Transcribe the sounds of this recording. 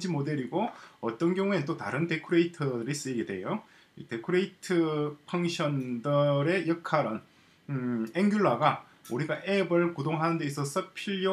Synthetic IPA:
d͡ʑimode̞ɾiɡoʌt͈ʌnɡjʌŋuennt͈otaɾɯnte̞kʰuɾe̞itʰɯdɯɾis͈ɯiɡedwe̞jo | ḭte̞kʰuɾeitʰɯpʰaŋɕʰjʌndɯɾe̞jʌkʰaɾʌn | eŋɡjuɭːaɡa | uɾiɡaʔebɯɭkudoŋɦanɯnde̞es͈ʰʌs͈ʰʌpʰiʎo

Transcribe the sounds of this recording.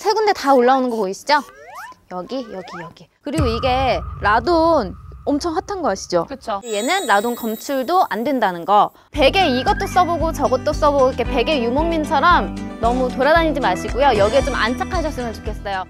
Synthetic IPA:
sʰe̞ɡunde̞taoɭːaonɯnɡʌpoiɕ͈ʰi̥d͡ʑojʌɡijʌɡijʌɡikɯɾiɡoiɡe̞ɾadonʌmt͡ɕʰʌŋɸatʰanɡʌk͈aɕ͈ʰi̥d͡ʑokɯt͡ɕʰoje̞nɯnɾadonkʌmt͡ɕʰuɭdoʔandwe̞ndanɯnɡʌ | pe̞ɡe̞iɡʌt͈os͈ʌboɡot͡ɕʌɡʌt͈os͈ʌboɡoikʰe̞pe̞ɡe̞jumoŋmint͡ɕʰʌɾʌmnʌmutoɾadaɲid͡ʑimaɕʰiɡujojʌɡiet͡ɕoma̰nt͡ɕ͈ʰakʰaɕʰʌs͈ɯmjɯnt͡ɕo̥kʰe̞s͈ʌjo

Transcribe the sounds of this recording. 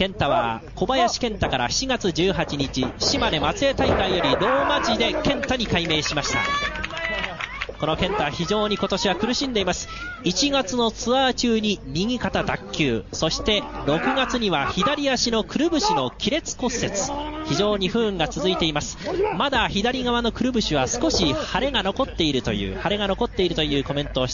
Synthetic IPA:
kẽ̞nt̪aβ̞a̰ko̞bajaɕi̥kẽ̞nt̪akaɾa̰ɕi̥t͡ɕiɡat͡sɨd͡ʑɨːɦat͡ɕiɲ̟it͡ɕiɕimad̪e̞mat͡sɨe̞t̪aikaijo̞ɾʲiɾo̞ːmad͡ʑid̪e̞kẽ̞nt̪aɲ̟ikaime̞ːɕimaɕi̥t̪a̰ | ko̞no̞kẽ̞nt̪aβaçiʑo̞ːɲ̟iko̞t̪o̞ɕiβakɯ̟ɾɯ̟ɕĩnd̪e̞imasɨ̥it͡ɕiɡat͡sɨno̞t͡sɨat͡ɕɨːɲ̟iɲʲiŋ̟ʲikat̪ad̪akʲːɨːso̞ɕi̥t̪e̞ɾo̞kɯ̟ɡat͡sɨɲ̟iβaçid̪aɾʲiaɕino̞kɯ̟ɾɯ̟bɯ̟ɕino̞kʲiɾe̞t͡sɨ̥ko̞sːe̞t͡sɨ̥çiʑo̞ːɲ̟iɸɯ̟̃ŋɡat͡sɨzɨit̪e̞imasɨ̥mad̪açid̪aɾʲiɡaβano̞kɯ̟ɾɯ̟bɯ̟ɕiβasɨ̥ko̞ɕihaɾe̞ɡano̞ko̞t̪ːe̞iɾɯ̟t̪o̞̰jɯ̰ːhaɾe̞ɡano̞ko̞t̪ːe̞iɾɯ̟t̪ojɯ̟ːko̞mẽ̞nt̪oːɕi̥t̪

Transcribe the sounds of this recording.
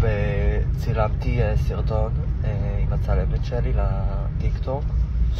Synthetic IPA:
vet͡silamt̪iesiʁt̪o̞neimat͡salemetʃelila | t̪ikt̪ok

